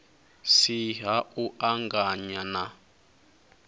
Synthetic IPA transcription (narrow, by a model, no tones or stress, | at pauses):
siɦauʔaŋɡaɲana